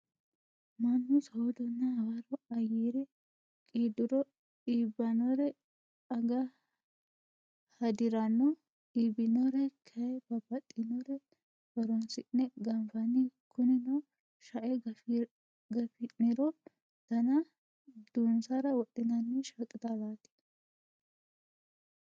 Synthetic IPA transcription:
mɐmːɪshod̪ɔnːɐhɐwaɾɔɐjiːɾɛ | kʼiːd̪ɪɾɔ | iːbːɐnɔɾɛ | ɐɡɐ | hɐd̪ɪɾɐnːɔ | ibɪnɔɾɛkʰɐjɛbɐbɐt̪ʼːɪnɔɾɛ | b̥ɐɾɔnsɪnːɛɡɐmfɐnɪkʊnɪnɔ | ʃɐʔɛ | ɡɐfɪnɪɾɔ | d̪̥ɐnɐ | d̪̥unsɐɾɐwɔt̪ʼːɪnɐnːɛʃɐkʼɪd̪alaːt̪i̥

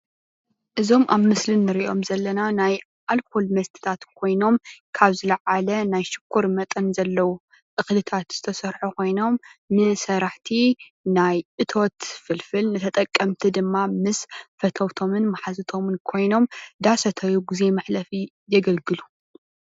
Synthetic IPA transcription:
ʔɨzo̞mʔa̰βmɨslɨnːɨɾiʔo̞̰mzɐlːɐnanaj | ʔalkʰolmɐst̪ʰɨ̥t̪ʰat̪kʰo̞jno̞mkʰaβzɨlɐʕalɐnajʃɨ̥kʰːuɾmɐt̪ʼɐnzɐlːɐwu | ʔɨxlɨt̪ʰat̪z̥ɨt̪ʰɐsɐɾħukʰo̞jno̞mnɨsɐɾaħt̪ʰi | najʔɨt̪ʰo̞t̪fɨlfɨlnɨt̪ʰɐt̪ʼɐkʼːɐmt̪ʰid̪ɨmːamɨsfɐt̪ʰɐwt̪ʰo̞mɨnmɐħazɨt̪ʰo̞mɨnkʰo̞jno̞md̪asɐt̪ʰɐjuɡɨze̞maħlɐfi | zɐɡɐlɡɨlu

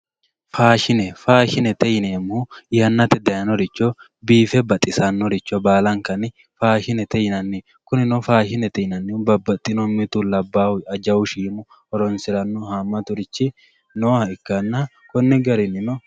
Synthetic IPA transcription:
faːʃɪnɛfaːʃɪnɛt̪ɛjɪneːmːuɪjɐnːɐt̪ɛd̪ɐjɐnɔɾɪt͡ʃːo | biːfɛbɐt̪ʼɪsɐnːɔɾɪt͡ʃːobaːlɐŋkɐnɪ | faːʃɪnɛt̪ɛjɪnɐnːi | kʊnɪnofaːʃɪnɛt̪ɛjɪnɐnːɪbɐbːɐt̪ʼːɪnɔmːɪt̪ulɐbːaːwɐd͡ʒɐwʊʃiːmʊ | ɔɾɔnsɪɾɐnːɔhaːmːɐt̪ʊɾɪt͡ʃːɪ | noːhɐɪkːɐnːa | kɔnːɛɡɐɾɪnɪnɔ

